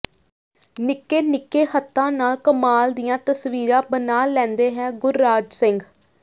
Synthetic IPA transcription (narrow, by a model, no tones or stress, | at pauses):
nɪkːeːnɪkːeːɦət̪ʰːãːnaːlkəmaːld̪ijãːt̪əsʋiːɾãːbənaːlɛ̃ːnd̪eːɦɛ̃ːɡʊɾːaːd͡ʒsɪŋɡ